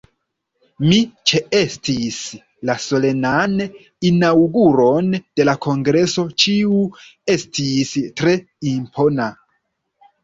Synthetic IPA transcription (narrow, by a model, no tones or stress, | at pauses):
mit͡ʃeestis | laso̞le̞nan | inawɡuɾo̞nd̥e̞lakʰo̞ŋɡɾe̞so̞t͡ʃiue̞stʰistɾe̞ | impʰo̞na